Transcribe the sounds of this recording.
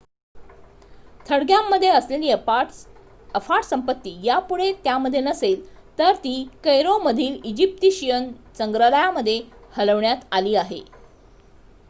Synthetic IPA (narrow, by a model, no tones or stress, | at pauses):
t̪ʰəɽɡjamːəd̪ʱːjeəsleliː | əfaʈsəmpət̪ːiːjapuɽ̤et̪jaməd̪ʱːjenəsel | t̪əɾt̪iːkəjɾoməd̪ʱiːlid͡ʑip̚t̪iɕijənt͡səŋɡɾələjaməd̪ʱːjehələʋɳjat̪aliːaɦḛ